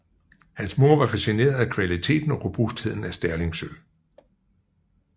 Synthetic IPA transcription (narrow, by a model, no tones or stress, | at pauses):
hænsmo̝ɐʋɑ̈fæsine̝̰ːɐð̩ˠækʰʋælit͡sʰe̝̰ːd̥n̩ɒ̽ʁɔb̥usd̥he̝ð̰ˠn̩æsd̥æɐle̝ŋsøl